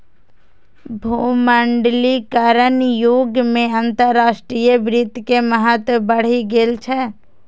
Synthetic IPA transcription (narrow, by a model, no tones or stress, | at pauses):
bʱuːməɳɖlikəɾənjoɡmẽant̪əɾːaːsʈɾijəbɾɪd̪keməɦət̪bəɽ̤iɡelt͡ʃʰɛ